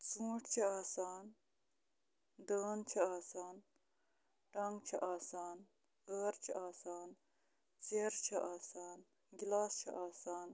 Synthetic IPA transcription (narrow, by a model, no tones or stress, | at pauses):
t͡sũːʈt͡ʃʰɐaːsaːn | d̪əːnt͡ʃʰɐaːsaːn | ʈɐŋɡt͡ʃʰɐʔaːsaːn | əɾt͡ʃʰɐ̰ʔaːsaːn | t͡seɾt͡ʃʰɐʔaːsaːn | ɡʲilaːst͡ʃʰɐ̰ʔaːsaːn